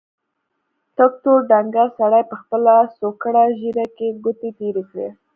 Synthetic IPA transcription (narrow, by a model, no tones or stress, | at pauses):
t̪ak̚t̪oɖaŋɡasaɽajpəxpəlasokəɽaʒiɾakeɡut̪et̪eɾekɽḛ